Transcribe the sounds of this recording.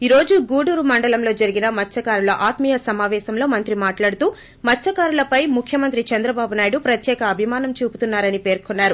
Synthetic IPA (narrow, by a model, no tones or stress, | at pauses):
iɾo̞ːd͡ʒuɡuːɽuːɾumɐɳɖɐlɐmlo̞ːd͡ʒɐɾiɡinɐmɐt͡ʃʰːɐkaːɾulɐʔaːt̪mijɐsɐmaːʋɛːsɐmlo̞ːmɐnt̪ɾimaːʈlaːɽut̪uː | mɐt͡ʃʰːɐkaːɾulɐpɐjmukʰjɐmɐnt̪̬ɾit͡ʃɐnd̪ɾɐbaːbunaːjiɽupɾɐt̪jɛːkɐːbʱimaːnɐmt͡ʃuːpu̥t̪unːaːɾɐnipe̞ːɾkonːaːɾu